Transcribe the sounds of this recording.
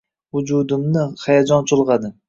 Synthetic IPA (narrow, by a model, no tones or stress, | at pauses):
vʊd͡ʒud̪ɪmnɪχajad͡ʒɒnt͡ʃʰʊlˠʁɑd̪ɪ